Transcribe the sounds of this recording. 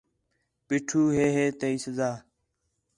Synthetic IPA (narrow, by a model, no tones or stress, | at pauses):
pɪːʈʰuːɦeːɦeːt̪eːiːsəzaː